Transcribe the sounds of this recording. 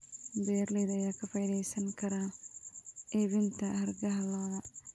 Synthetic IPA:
bɛːrlɛːðɐjaːkʰɐfɐjðɛjsɐŋkʰɐɾaː | ɛːβɪnt̪ʰɐhɐrɡɐɦɐlaːðɐ

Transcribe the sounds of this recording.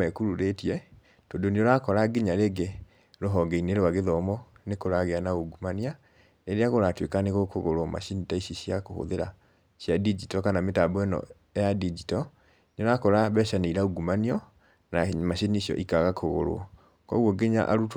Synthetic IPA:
ɛkuɾuɾetiɛ | tondoneoɾakɔɾaɡeɲaɾeɡe | ɾoɦɔɡeineɾowaɣeðɔmɔnekoɾaɣeanaoɡumania | neɾeaɣoɾatwekaneɣokoɣoɾoma̰ʃinitaiʃiɕiakoho̰ðeɾa | ʃjadid͡ʒitɔkanametabwɛnɔ̰ | ejadid͡ʒitɔ | neoɾakɔɾaβɛʃaneiɾaoɡumaniɔ | namaɕiniɕjɔ̰ʔikaɣakʰoɣo̰ɾo̰ | kɔ̰ɣwɔɡeɲa̰ʔa̰ɾut

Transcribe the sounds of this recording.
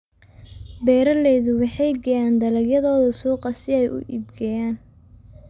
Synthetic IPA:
bɛːɾɐlɛjðʊwɑħɑjɡɐjaːnd̪ɐlɐɡjɐðɔːðɐsuːqɐsɪɛjʔʊ̰ʔḭbɡɛjaːn

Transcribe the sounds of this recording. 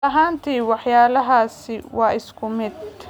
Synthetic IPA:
ɐɦaːnt̪ʰiːwɑħjaːlɐɦaːsɪwɑːʔɪskʰʊmɪd̪̚

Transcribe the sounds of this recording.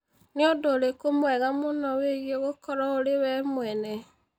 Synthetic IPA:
niodoɾekomwɛɣamonɔweɣjeɣokɔɾɔoɾewɛmwɛne

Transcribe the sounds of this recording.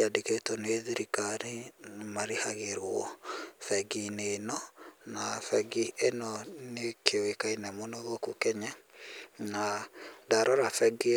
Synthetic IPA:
adeketɔneðiɾikaɾimaɾehaɣeɾwɔfɛɡinenɔnafɛɡienɔnekʰewekainɛmonoðokokɛɲa | nadaɾɔɾafɛɡi

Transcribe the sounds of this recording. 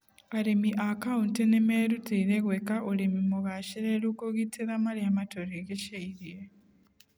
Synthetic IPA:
aɾemiʔakauntenemeɾutiːɾeɣwekaʔuɾemimuɣaʃiɾelukoɣitʰiɾamaljamatoɾiɣeʃeiɾje

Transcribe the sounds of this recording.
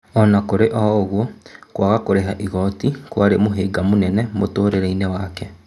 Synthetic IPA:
ɔnakoɾeʔɔɣwɔkwaɣakoɾeɦaʔiɣɔtikwaɾemoɦeːɡamonɛnɛmotoːɾeɾeinewaːkɛ

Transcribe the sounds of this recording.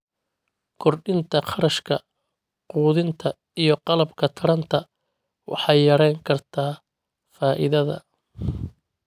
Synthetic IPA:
kʰɔrɖɪnt̪ʰɐχɑɾɐʃkʰɐ | quːðɪnt̪ʰɐ | ijɞqɑlɐbkʰɐt̪ʰɐɾɐnt̪ʰɐ | wʔɑ̰ħɑjːɐɾɛjŋkʰɐrt̪ʰaː | faːʔɪ̰ðɐðɐ̰

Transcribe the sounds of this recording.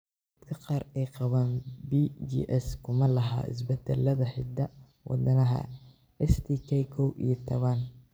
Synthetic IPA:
d̪kʰɐqɑːrɛjqɑβaːnbid͡ʒḭːʔɛskʰʊmɐlɐɦa̰ːɪ̰s̬bɛd̪ɛlːɐðɐħɪd̪ɐ | wʔɑ̰d̪ɐnɐɦɐ̰ | ɛst̪ʰikʰɛjkʰɔwḭjɞt̪ʰɐβɐn

